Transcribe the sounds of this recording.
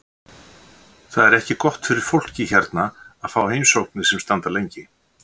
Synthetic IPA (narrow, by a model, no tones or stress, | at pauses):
θaðɛɾɛhcɪkɔht̪fɪɾɪɾ̥fowl̥cɪçɛɾt̪naaðfawheːjmsowknɪsɛmst̪ant̪alejɲcɪ